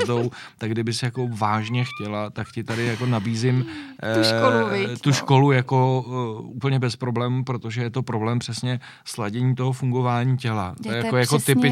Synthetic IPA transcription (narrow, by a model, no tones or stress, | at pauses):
dowt̪aɡdɪbɪsjako̞vaːʒɲɛxcɛlat̪akcɪt̪adɪjako̞nabiːzɪm | lt̪uʃko̞lujako̞upl̩ɲɛbɛspɾo̞blɛːmupɾo̞t̪o̞ʒɛjɛt̪o̞pɾo̞blɛːmpr̥ɛsɲɛ | slaɟɛɲiːt̪o̞ɦo̞fuŋɡo̞vaːɲiːcɛlat̪ojɛjakojakot̪ɪpɪ